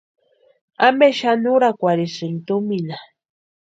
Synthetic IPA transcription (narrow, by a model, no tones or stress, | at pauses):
ameʃanuɾakʷaɾisɪnt̪omina